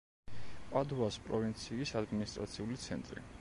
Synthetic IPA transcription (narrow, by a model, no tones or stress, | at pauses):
pʼad̪uaspʼɾɔvint̪sʰiːsad̪minist̪ʼɾat̪sʰiulit̪sʰɛ̰nt̪ʼɾḭ